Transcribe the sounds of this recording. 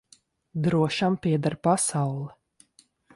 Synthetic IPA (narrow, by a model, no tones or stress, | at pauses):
d̪ɾuɔʃampiɛd̪aɾpasawlˠɛ